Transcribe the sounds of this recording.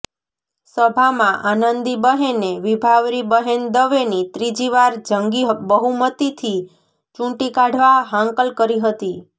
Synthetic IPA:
səbʱamãʔanənd̪ibəɦeneʋibʱaʋɾibəɦend̪əʋenit̪ɾid͡ʒiʋaɾd͡ʒəŋɡibəɦumət̪it̪ʰi | t͡ʃũʈikaɖʱʋaɦãŋkəlkəɾiɦət̪i

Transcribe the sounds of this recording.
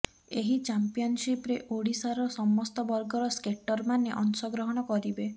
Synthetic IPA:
eɦit͡ʃampiɔnsipɾeʔoɽisaɾɔsɔmɔst̪ɔbɔɾɡɔɾɔskeʈɔɾmaneʔɔnsɔɡɾɔɦɔɽ̃ɔkɔɾibe

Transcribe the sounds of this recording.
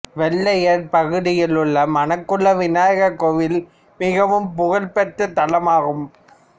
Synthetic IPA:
ʋɛɭːɐjɐɾpɐɣɯɽɪjɪlɯɭːɐmɐnɐkːɯɭːɐʋɪnaːjɐɣɐkɔʋɪl | mɪɣɐʋɯmpʊɣɐɭpɛʈːɯt̪ɐlɐmaːɣɯm

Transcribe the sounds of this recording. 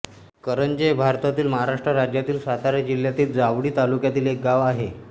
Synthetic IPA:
kəɾənd͡ʑəjbʱaɾt̪at̪iːlməɦaɾaʂʈɾəɾad͡ʑjat̪iːlsat̪aɾad͡ʑiljat̪iːld͡zaʋɽiːt̪alukjat̪iːlek̚ɡaʋaɦe

